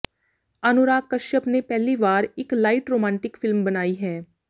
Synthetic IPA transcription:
ɐnʊɾaːkːɐʃjəpnepɛɦliʋaːɾɪklaːɪʈɾoːmɛ̃ːɳʈɪkfɪlmbɐnaːiɦɛː

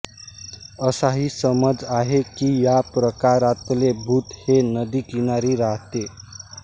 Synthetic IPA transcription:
ʌsaɦisəməd͡ʒaɦekijapɾəkaɾat̪lebʱut̪henʌd̪ikinaɾiɾaɦt̪e

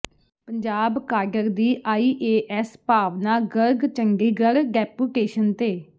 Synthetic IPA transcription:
pəɲd͡ʒaːbkaːɾɖəɾd̪iːʔaːiːʔeːʔɛspaːʋnaːɡəɾɡt͡ʃəŋɡiːɡəɽɡɛːpuːʈeːʃənt̪eː

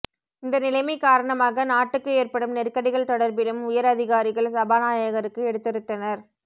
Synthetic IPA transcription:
ɪnd̪ɐnɪlɐɪmɐɪkaːɾɐɳɐmaːɣɐnaːʈːɯkːɯeːrpɐɽɯmnɛrkɐɽɪɣɐɭt̪ɔɽɐɾbɪlɯmʊjɐɾɐðɪɣaːɾɪɣɐɭsɐbaːnaːjɐɣɐɾɯkːɯɛɽɯt̪ːɪɾɯt̪ːɐnɐɾ

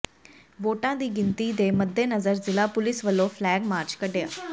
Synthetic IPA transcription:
ʋoːʈãːd̪iːɡɪnt̪iːd̪eːməd̪ːeːnəzəɾzɪlaːpʊlɪsʋəlːõːpʰlɛːɡmaːɾt͡ʃkəɖja̰ː

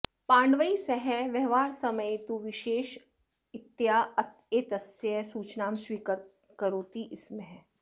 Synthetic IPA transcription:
pãːɳɖʋəisɛɦɛʋɛɦʋaːɾsɐməjt̪uʋɪʃeːʃ | ɪt̪ːjaːɐt̪ʰ | eːt̪ɐsəsuːt͡ʃnaːmswiːkəɾ | kəɾoːt̪iʔɪsmẽɦɛː

